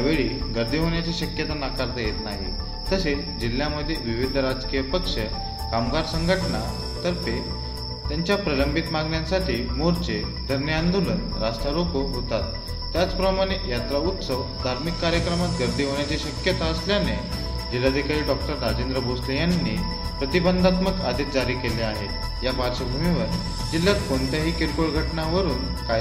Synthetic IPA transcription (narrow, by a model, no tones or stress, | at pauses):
jaʋeɭiɡəɾd̪ʱiɦoɳjat͡ɕiɕəkjət̪anakaɾt̪əjet̪naɦḭ | t̪əset͡sd͡ʑil̤ːjaməd̪ʱːjeʋiʋid̪ʱəɾad͡zkijəpəkʂə | kamɡaɾsəŋɡʱəʈɳa | t̪əɾt̪e | t̪jaɲt͡ɕjapɾələmbʱit̪maɡɳjãsaʈʰiːmoɾt͡sed̪ʱəɾnjəand̪olən | ɾast̪alokoɦot̪at̪ː | jat͡spɾəmaɽ̃ejat̪ɾaut̪səʋ | d̪ʱaɾmikːaɾjəkɾəmat̪̚ɡəɾd̪ʱiːɦoɳjat͡ɕiɕəkjət̪aəsljane | d͡ʑilːad̪ʱikaɾiːɖɔk̚ʈəɾːad͡ʑend̪ɾəboslejanːḭ | pɾət̪ibənd̪ʱat̪məkad̪ʱit̪̚d͡zaɾiːkeleaɦe | japaɾɕəbʱumiʋəɾ | d͡ʑilːjat̪̚kont̪jaɦiːkiɾkoɭɡʱəʈɳaʋəɾuːn | ka